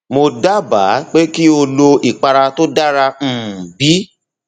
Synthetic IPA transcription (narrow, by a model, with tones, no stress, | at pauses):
mo˧da˦ba˨˦k͡pe˦ki˦o˧lo˧i˦˨k͡pa˧ɾa˧to˦da˦ɾã˧˨bi˨˦